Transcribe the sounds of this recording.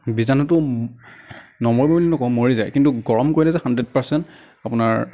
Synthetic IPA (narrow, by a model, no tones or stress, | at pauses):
bizanɔtʊ | nɔmɔɹbabulinɔkɔmoɹizajkintuɡɔɹɔmkojilɛzɛxandɹɛd̚paɹsɛnt | apʊnaɹ